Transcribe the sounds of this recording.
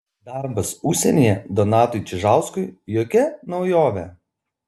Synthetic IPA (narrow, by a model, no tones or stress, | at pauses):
d̪ɑˑɾbɐsʊʃʲsʲɛnʲejɛd̪ɔnɑːt̪ʊɪt͡ʃʲɪʒɑˑʊskʊɪjoːkʲɛnɒʊjoːʋʲɛ